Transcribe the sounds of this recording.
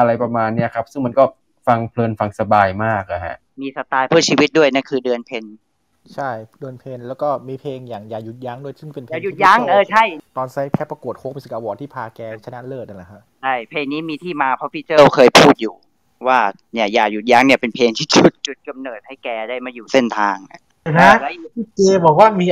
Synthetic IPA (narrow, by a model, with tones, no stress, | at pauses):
ʔa˧ɾa˧jpa˧maː˧nːi˥˩ɐkʰa˦˥p̚sɯ˥˩ŋma˧nkɔː˥˩ | fa˧ŋpʰlɤː˧nfa˧ŋsa˧baː˧jmaː˥˩k̚la˨˩ha̰˦˥ʔ | miː˧sa˧t̪aː˧jpʰɯː˥˩t͡ɕʰiː˧wi˦t̪̚du˥˩əjna˥˩nkʰɯː˧dɯ˧ənpʰe˧n | t͡ɕʰa˥˩jdɯ˧ənpʰeː˧nlɛː˦˥wkɔː˥˩miː˧pʰeː˧ŋjaː˨˩ŋjaː˨˩ju˨˩t̪̚jaː˦˥˩ŋdu˥˩əjsɯ˥˩ŋpe˧npʰjaː˨˩ju˨˩t̪̚ja˦˥ŋʔɤː˧˩t͡ɕʰa˥˩jt̪ɔː˧nsa˦˥jpʰɛː˦˧˥pːa˧ku˨˩ət̪̚hoː˦˥mi˧si˧˩ʔaː˧wɔː˨˩t̪̚ʰːiː˥˩pʰaː˧kɛː˧t͡ɕʰa˧na˦˥lɤː˥˩t̪̚ʔa˧˩la˨˩kʰa˦˥ | t͡ɕʰa˥˩jpʰeː˧ŋniː˦˥miː˧t̪ʰiː˥˩maː˧pʰɔ˦˥fiː˧˥t͡ɕɤː˥˩wkʰɤː˧jpʰuː˥˩t̪̚juː˨˩ | waː˥˩ | ni˦˥˩ɐjaː˨˩ju˨˩t̪̚ja˦˥ŋni˥˩pe˧npʰeː˧ŋt̪ʰiː˥˩t͡ɕʰu˦˩t̪̚t͡ɕu˨˩t̪̚ka˧mnɤː˨˩t̪̚ha˥˩jkɛː˧daː˥˩jmaː˧juː˨˩se˥˩nt̪ʰaː˧ŋʔa̰˧˩˧na˧˦˥laː˧˦˥ji˥˩keː˧bɔː˨˩k̚waː˥˩miː˧